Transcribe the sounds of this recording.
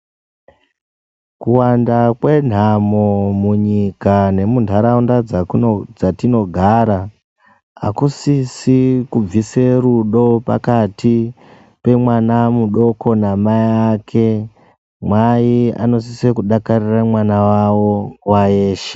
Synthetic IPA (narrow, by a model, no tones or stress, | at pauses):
kuwandakwe̞n̤amomuɲikane̞mundʱaɾaunda | d͡zatino̞ɡʱaːɾa | a̰kusisikub͡viseruɗo̞pa̰kati | pe̞mwanamuɗo̞ko̞namajakʰe̞ | mwaia̰no̞sisekuɗakariramwanawawo̞waeːʃe̥